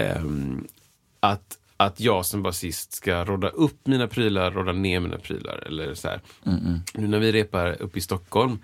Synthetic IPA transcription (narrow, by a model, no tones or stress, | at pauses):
at̪ | at̪jɑːɡsɔmbasɪst̪skaɾoːd̪aʔɵpːmiːnapʰɾyːlaɾɾoːd̪ːaneːɾmḭːna̰pʰɾy̰ːla̰ɾɛ̰lːəɾsæ̰ːɾ | nʉ̟ːnæɾvɪɾeːpaɾɵ̰pːɪst̪ɔkhɔlm